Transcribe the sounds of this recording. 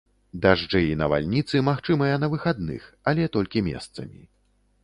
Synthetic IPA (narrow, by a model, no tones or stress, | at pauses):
d̪aʐd͡ʐɛinɐva̰lʲnʲit̪sɨmaxt͡ʂɨmɐjɐnɐvɨxad̪nɨ̰x | ɐlʲɛt̪ɔlʲkʲimʲɛ̰st̪sɐmʲḭ